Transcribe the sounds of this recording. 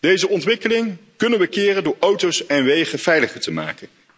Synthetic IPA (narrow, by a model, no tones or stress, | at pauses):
d̥ejzəʔɔntʋɪkəlɪŋkɵnənʋəkɪːrəndʊːɹʔowtowsɛnʋejχəv̥ɛjləχəɹtəma̰ːkən